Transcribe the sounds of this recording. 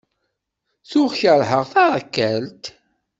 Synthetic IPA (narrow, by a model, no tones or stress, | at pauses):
θʊʁçəɾhəʁθaɾˤækːælt̪